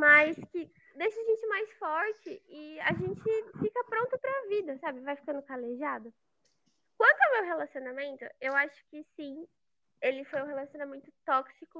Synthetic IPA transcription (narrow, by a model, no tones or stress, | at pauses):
majskɪ | d̪ejʃɐʒẽnt͡ʃɪmajsfɔɾt͡ʃɪɪaʒẽnt͡ʃɪfikɐpɾõnt̪ʊpɾɐvid̪ɐsabɪvajfi̥kɐ̃nd̪ʊkaleʒad̪ʊ | kwɐ̃nt̪ʊɛwmewɦelasionamẽnt̪ʊ̰ewaʃʊ̥kɪsĩ | elɪfojʊ̃helasionamẽnt̪ʊt̪ɔksikʊ